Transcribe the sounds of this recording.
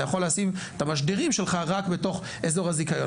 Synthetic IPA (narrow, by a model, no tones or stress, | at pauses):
ajaχo̞leasivet̪amaʃdeiʁimʃe̞lχaʁakbeto̞χ | ezo̞ʁhazikajo